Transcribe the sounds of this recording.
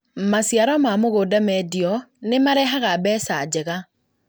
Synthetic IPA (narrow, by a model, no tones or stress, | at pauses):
masjaɾamamoɣoːdamɛdiɔnemaɾɛɦaɣabɛsad͡ʑɛɣa